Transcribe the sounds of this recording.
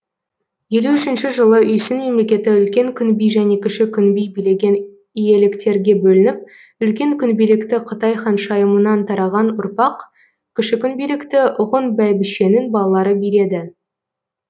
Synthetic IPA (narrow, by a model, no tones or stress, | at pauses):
je̞luʏʃɪnʃɪʒəlˠəʏjsɪnme̞mle̞kʲe̞t̪ɪʏlkʲe̞ŋkʲʰʏnbijʒæne̞kʲʰɪʃɪkʲʰʏnbijbijle̞ɡʲe̞n | ije̞lɪkt̪e̞ɾɡʲe̞bɵlɪnɪp̚ | ʏlkʲe̞ŋkʲʰʏnbijlɪkt̪ɪqʰət̪ɑjχɑnʃɑjəmənɑnt̪ʰɑɾɑʁɑnʊɾpɑq | kʲʰɪʃɪkʲʰʏnbijlɪkt̪ɪʔʊʁənbæjbɪʃe̞nɪnbɑlˠɑlˠɑɾəbijɾe̞d̪ɪ